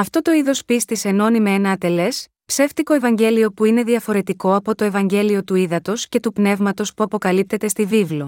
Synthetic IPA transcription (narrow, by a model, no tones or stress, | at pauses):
ɐft̪o̞t̪o̞iðo̞spist̪ise̞no̞nimeenɐːt̪e̞le̞s | pse̞ft̪iko̞e̞vɐɲɟe̞lio̞puine̞ðiɐfo̞ɾe̞t̪iko̞ɐpo̞t̪o̞e̞vɐɲɟe̞lio̞t̪uiðɐt̪o̞sce̞t̪upne̞vmɐt̪o̞spuɐpo̞kɐlip̚t̪e̞t̪e̞st̪ivivlo